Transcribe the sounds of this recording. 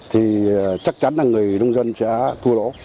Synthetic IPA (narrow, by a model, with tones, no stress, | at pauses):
t̪ʰi˨˩t͡ɕa˦˥k̚t͡ɕa˨˦nlaː˨˩ŋɨ˨˩əjɗə˧wŋ͡mzə˧nsɛ̰˧˥t̪ʰu˧əlo̰˧˥